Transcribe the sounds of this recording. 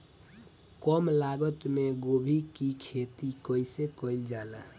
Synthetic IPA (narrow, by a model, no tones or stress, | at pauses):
kɔmlaɡət̪meɡobʱikikʰet̪ikəisekəild͡ʒala